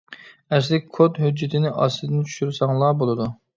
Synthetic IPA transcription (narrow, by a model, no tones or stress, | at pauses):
ɛslɪkʲkʰːot̪ɦød͡ʒːɪt̪ʰɪnɪʔɑsɨd̪ɪnt͡ʃʰu̥ʃyɾsɑŋlˠɑːbolˠɨd̪u